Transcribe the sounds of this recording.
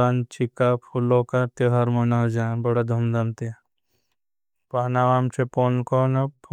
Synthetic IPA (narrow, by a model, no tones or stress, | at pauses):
ant͡ʃikapʰulokat̪eɦaɾmonad͡ʒãbɐɽad̪ʱɐmd̪amt̪e | paːnaʋaːmt͡ʃʰeponkonɐpʰ